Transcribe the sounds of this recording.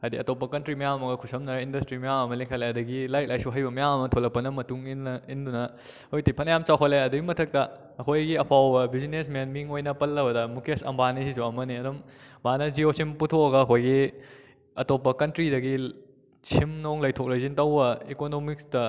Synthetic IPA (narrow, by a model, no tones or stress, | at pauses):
ɐdiɐtopːɐkɐntɾimɐjamɐmɐɡɐkʰusɐmnɐɾɐindɐstɾimɐjamɐmɐlikʰaleɐdɐɡilajt̚lajsuɦɐjbɐmɐjamɐmɐtʰolɐk̚pːɐnɐmɐtuŋinɐindunɐ | ojtipʰɐnɐjamt͡ʃawkʰɐleɐdɐɡimɐtʰɐk̚tɐ | ɐkʰojɡiɐpʰawbɐbizinesmenmiŋojnɐpɐlːɐbɐdɐmukʰiɐsɐ̰mbanisʰisuɐmɐniɐdummanɐd͡ʒiosʰimputʰokɐɡɐːkʰojɡi | ɐtopːɐkɐntɾidɐɡi | sʰimnoŋlɐjtʰok̚lɐjzintɐwbɐikonomik̚stɐ